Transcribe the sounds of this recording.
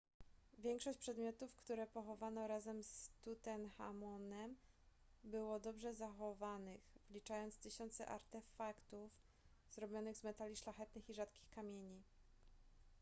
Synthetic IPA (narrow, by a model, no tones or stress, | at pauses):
vʲjɛŋkʂɔɕt͡ɕʲpʂɛd̪mʲjɔt̪ufkt̪uɾɛpɔxɔvanɔɾazɛmst̪ut̪ɛnxa̰mɔnɛm | bɘwɔd̪ɔbʐɛzaxɔvanɘxvlʲit͡ʂajɔntst̪ɘɕɔnt̪sɛ̰ʔa̰ɾt̪ɛfakt̪uf | zɾɔbʲjɔnɘɣzmɛt̪alʲiʂlaxɛt̪nɘxiʐat̪kʲi̥xkamʲjeɲi